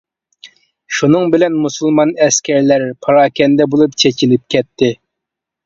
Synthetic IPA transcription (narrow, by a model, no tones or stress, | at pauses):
ʃunɨŋbɪlɛnmusulˠmɑnɛskʲʰɛɾlæɾpʰɑɾɑːkʲɛnd̪ɛbolˠup̚t͡ʃʰɛt͡ʃʰilɪp̚kʲʰɛt̪ʰːɪ